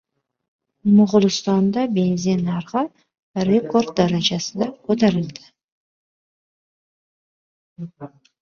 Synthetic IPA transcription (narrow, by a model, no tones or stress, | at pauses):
mʊʁʊlˠɪst̪ɑnd̪ɑbe̞nzinɑɾʁɑ | ɾeko̞rd̪̚d̪aɾad͡ʒasɨd̪ɑqʰot̪ɑɾɪlˠd̪ɪ̥